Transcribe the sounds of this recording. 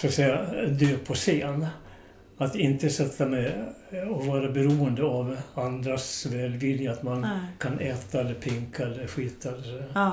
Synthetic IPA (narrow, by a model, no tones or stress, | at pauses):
sfɔsɛɪad̪øːpʰɔseːn | at̪ɪnt̪əsɛt̪ʰːamɛɪ | ɔvɑːɾabɛɾuːənd̪əɑʋand̪ɾasʋɛːlʋɪlɪəat̪mankʰɑnʔɛːt̪aɛlːəɾpʰɪŋkʰaɛlːəɾɧiːt̪ʰaɛlːə